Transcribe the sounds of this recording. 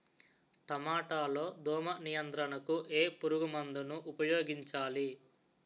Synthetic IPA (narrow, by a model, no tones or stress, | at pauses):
ʈ̪ɐmaːʈaːlo̞ːd̪ɔːmɐnijɐnt̪ɾɐnɐkuʔe̞ːpuɾuɡumɐnd̪unuʔupɐjoːɡiɲt͡ʃaːli